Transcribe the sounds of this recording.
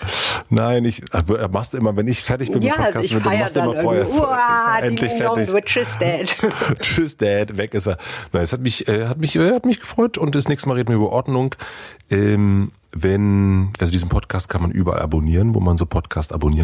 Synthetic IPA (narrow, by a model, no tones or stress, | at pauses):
naɪnɪçavmaχstd̥uːʔɪmɐvɛnɪçfɛɐtɪçbb̥ɪnmɪɔkʰaːs̩ɪndanmasduɪmɐfoːɐhɛɐ | ʔɛntlɪçfɛɐɪçɪt͡ʃɪsd̥ɛttɪsd̥ɛtvɛkʔɪsɛnaɛshatmɪçʔɛːhatmɪçʔɛhatmɪçɡ̥əfʁ̥ɔʏtʊntd̥ɛsnɛːçstəmaːʁeːdn̩miɪɐyːbɐʔɔɐdnʊŋʔɛːm | vɛnʔalzodiːzn̩pʰɔtkʰaːstkʰanmanʔy̰ːbɐʔa̰lʔa̰boniːʁənvo̰ːmanzoːpʰɔtkʰaːsta̰boniːə